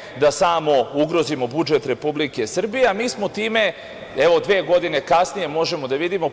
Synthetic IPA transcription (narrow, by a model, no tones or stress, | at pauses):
d̪asaːmo̞uɡɾo̞zimo̞bud͡ʒet̪ɾe̞publike̞sr̩bijeamiːsmo̞t̪iːme̞ | eʋod̪ʋeːɡo̞d̪ine̞kasnije̞mo̞ʒe̞mod̪aʋid̪imo̞